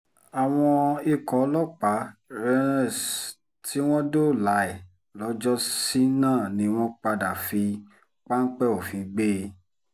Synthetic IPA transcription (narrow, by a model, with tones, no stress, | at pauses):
a˨w̃ɔ̃˧i˧kɔ˨˦lɔ˦k͡pa˨˦ɾɛ˦ɛ̃˦˨ | tʰi˦w̃ɔ̃˦do˦˨la˨˦ɛ˨ | lɔ˨˦d͡ʒɔ˦si˦nãː˦˨nĩ˨˦w̃ɔ̃˦k͡pa˧da˨fi˧ | k͡pa˦n̩˦k͡pɛ˦o˨fĩ˨˦ɡ͡be˦˧